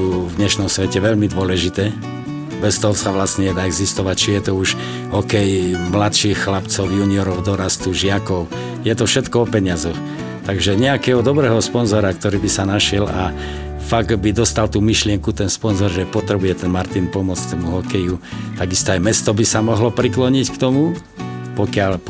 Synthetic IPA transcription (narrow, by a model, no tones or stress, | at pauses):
uvd̪ɲɛʃnɔmsʋɛcɛʋɛʎmid̪ʊɔlɛʒit̪ɛː | bɛst̪ɔɦɔsaʋlasɲɛɲɛd̪aːɛɡzist̪ɔʋact͡ʃijɛt̪ɔuʃ | ɦɔkɛjmlat̪ʃiːxxlapt͡sɔʊjuniɔɾɔʊd̪ɔɾast̪uʒɪakɔʊ | jɛt̪ɔfʃɛt̪kɔɔpɛɲɪazɔx | t̪aɡʒɛɲɛakɛɦɔd̪ɔbɾɛːɦɔspɔnzɔɾakt̪ɔɾiːbisanaʃɪɛla | faɡbid̪ɔst̪alt̪uːmiʃlɪɛŋkut̪ɛnspɔnzɔɾʒɛpɔt̪ɾɛbujɛt̪ɛnmaɾt̪inpɔmʊɔt͡skt̪ɔmuɦɔkɛjut̪aɡist̪ɔajmɛst̪ɔbisamɔɦlɔpɾiklɔɲickt̪ɔmu | pɔkɪal